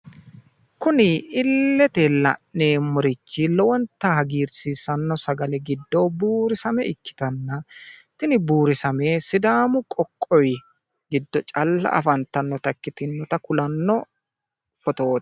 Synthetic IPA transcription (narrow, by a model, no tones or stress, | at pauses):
kʊnɪɪlːɛt̪elːɐ̰ʔneːmʊɾɪt͡ʃːɪlɔwɔnt̪ːɐhɐɡiːɾsiːsɐnːɔsɐɡɐlɛɡɪd̪ːɔbuːɾɪsɐmɛɪkːɪ̥t̪ɐnːɐt̪ɪnɪbuːɾɪsɐmeːsɪd̪aːmʊkʼɔkʼːɔj | ɡɪd̪ːɔt͡ʃʼɐlːɐ̰ʔɐ̰fɐnt̪ɐnːɔt̪ɐkːɪt̪ɪnːɔt̪ɐkʊlɐnːɔ | kɔt̪oːt̪